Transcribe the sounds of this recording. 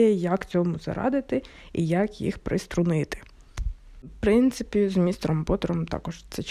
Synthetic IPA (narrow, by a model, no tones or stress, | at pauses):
jɛjɐkt͡sʲɔmʊzɐ̰ɾɑ̰d̪ɪt̪ɪ | ḭjɐkjḭxpɾɪst̪ɾʊnɪt̪ɪ̥ | pɾɪnt̪sɪpʲizmʲist̪ɾɔmbɔt̪ɔɾɔmt̪ɑ̰kɔʒt̪sɛt͡ʃ